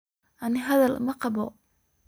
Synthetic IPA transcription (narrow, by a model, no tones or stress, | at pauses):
ʔɐnɪɦɐðɐlmɐqɑbɔ